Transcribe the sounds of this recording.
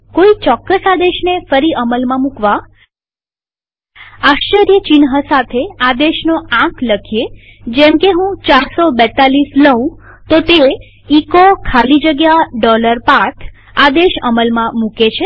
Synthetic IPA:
koit͡ʃɔkːəsad̪eʃnefəɾiʔəməlmãmũkʋa | aʃt͡ʃəɾjət͡ʃinɦəsat̪ʰead̪eʃnoãkləkʰije | d͡ʒemkeɦũt͡ʃaɾsobɛt̪alisləɦũ | t̪ot̪e | ikokʰalid͡ʒəɡjaɖɔləɾpakʰ | ad̪eʃə̰məlmãmuket͡ʃʰe

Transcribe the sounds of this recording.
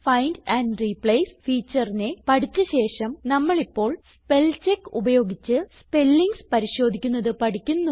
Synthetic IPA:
fɐjndɐndripɭejsfiːt͡ɕːɐrine̞pɐʈit͡ɕːɨɕe̞ːʂɐmnɐmːɐɭipːo̞ːɭ | pe̞lt͡ɕe̞kːubɐjo̞ːɡit͡ɕːɨspe̞lːiŋɡspɐɾiɕo̞ːd̪ʱikʲːunːɐðɨpɐʈikʲːunːu

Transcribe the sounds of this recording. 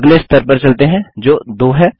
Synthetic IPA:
ɡleɪst̪əɾpɐɾt͡ʃɐlt̪eɦɛ̃d͡ʒoːd̪oːɦɛ

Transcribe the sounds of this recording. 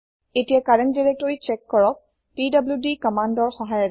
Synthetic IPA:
etijakaɹɛndiɹɛk̚tɔɹit͡ʃɛkːɔɹɔk̚ | pidabljudikɔmandɔɹxɔɦajɔ

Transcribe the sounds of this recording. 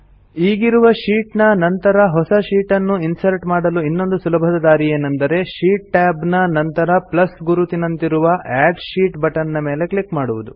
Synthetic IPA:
iːɡiɾuʋɐʃiːʈnɐnɐnt̪ɐɾɐɦɔsɐʃiːʈɐnːuinsɐɾʈmaːɽɐluinːo̞nd̪usulɐbʱɐd̪ɐd̪aːɾieːnːɐnd̪ɐɾe̞ʃiːʈːaːbnɐnɐnt̪ɐɾɐplɐsɡuɾut̪inɐnt̪iɾuʋɐʔæːɖʃiːʈbɐʈɐnːɐmeːle̞kɭikmaːɽuʋud̪u

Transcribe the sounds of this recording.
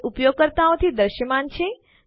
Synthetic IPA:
ʔupjoɡ̚kəɾt̪aõt̪ʰid̪əɾʃəmant͡ʃʰẽ

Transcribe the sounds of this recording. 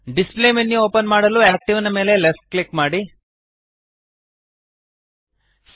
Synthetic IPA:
ɖispleːmenːio̞ːpɐnmaːɽɐluaːk̚ʈiʋɐnɐme̞ːle̞lesʈ̚klikmaːɽi | s

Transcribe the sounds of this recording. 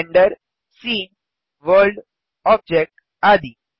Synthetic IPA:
ɳɖəɾ | siːn | ʋəɾɖ | ɔb̚d͡ʑek̚ʈ | ad̪i

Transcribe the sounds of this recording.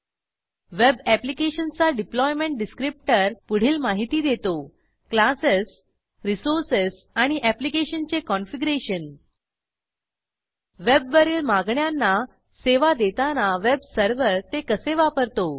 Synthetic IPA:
ʋebæplikeɕənt͡saɖiplɔjmeɳʈ̚ɖiskɾip̚ʈəɾpuɽ̤iːlmaɦit̪iːd̪et̪o | klasəs | ɾisoɾsəs | aɽ̃iʔæplikeɕənt͡sekɔnfiɡɾeɕən | ʋebʋəɾeːlmaɡɳjanːa | seʋad̪et̪anaʋebsəɾʋəɾt̪ekəseʋapəɾt̪o

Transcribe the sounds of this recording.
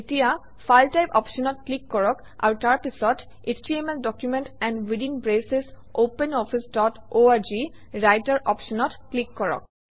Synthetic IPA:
etija | fʰalʈajpɔ̰pʃɔnɔt̚klikːɔɹɔk | a̰wʈaɹpisɔt | esʈiemeldɔkjumẽntɛ̃nɖwidinbɹeses | ʔopenɔpʰisdɔtoaɹd͡ʒi | ɹajtaɹʔɔpʃɔnɔtklikːɔɹɔ̰k̚

